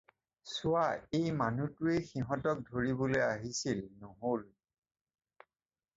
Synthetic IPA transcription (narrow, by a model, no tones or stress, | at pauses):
sʊwaejmanutʊexiɦɔtɔk̚dʱoɹibolojaɦisilnoɦol